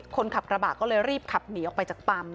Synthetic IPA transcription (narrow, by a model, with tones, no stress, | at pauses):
kʰo˧nkʰa˨˩p̚kɾa˧baː˨˩t̪̚kɔː˥˩lɤː˧jɾiː˥˩p̚kʰa˨˩p̚niː˨˩˦ʔɔ˨˩k̚pa˧jt͡ɕaː˨˩k̚t̪a˧m